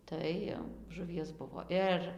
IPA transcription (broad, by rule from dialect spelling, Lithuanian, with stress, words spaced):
ˈtɐɪ jɛʊ ʒʊˈʋʲiɛs ˈbʊʋoː ˈɪr